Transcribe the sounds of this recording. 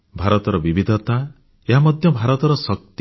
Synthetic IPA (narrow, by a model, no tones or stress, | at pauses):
bʱaɾɔt̪ɔɾɔbibid̪ʱɔt̪a | eɦamɔd̪ʱjɔbʱaɾɔt̪ɔɾɔsɔk̚t̪